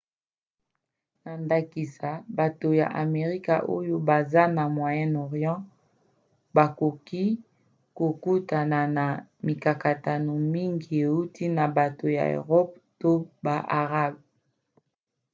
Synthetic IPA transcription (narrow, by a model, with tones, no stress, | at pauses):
na˨nda˨ki˨sa˨ba˨to˨ja̰˨ʔa̰˨me˨ʁi˦ka̰˨ʔo˦jo˦ba˨za˦na˨mwa˨jɛ˦nɔ˨ʁjɑ̃˦ | ba˨ko˨ki˦ | ko˨ku˦ta˨na˨na˨mi˨ka˨ka˨ta˨no˨mi˦ŋɡi˨e˨u˦tʰi˦na˨ba˨to˨ja̰˨ḛ˨ʁɔ˦pto˦ba˨ʔa̰˨ʁa˦b